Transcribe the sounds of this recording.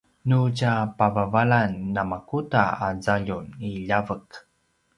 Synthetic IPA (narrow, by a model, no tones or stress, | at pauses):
nucapavavalanːamakutaazaʎuniʎavək